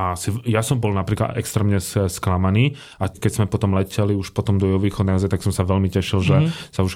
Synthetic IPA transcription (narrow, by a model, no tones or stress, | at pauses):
aasijasɔmbɔlnapɾiːkla̰d̪ɛ̰kst̪ɾɛːmɲɛssklamaniː | ʔakɛzmɛpɔt̪ɔmlɛcɛliuʃpɔt̪ɔmd̪ɔjɛɦɔʋiːxɔd̪naɔzajt̪aksɔmsaʋɛʎmicɛʃilʒɛsauʃ